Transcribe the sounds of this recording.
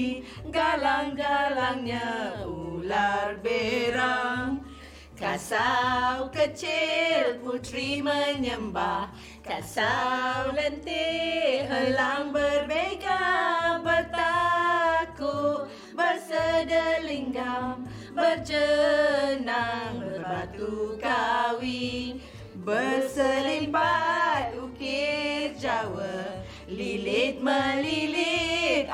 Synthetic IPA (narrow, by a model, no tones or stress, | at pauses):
ɡalaŋɡalaŋɲaʔularbeɾaŋ | kasawkət͡ʃɪlput̪ɾiməɲəmbah | kasawwlɛnt̪eɦəlaŋbərbeɡabərt̪a | kut | bərsədəliŋɡam | bərd͡ʒə | naŋŋbərbat̪ukawi | bərsəlimpat̪̚ukird͡ʒawə | lilit̪̚məlilit̪̚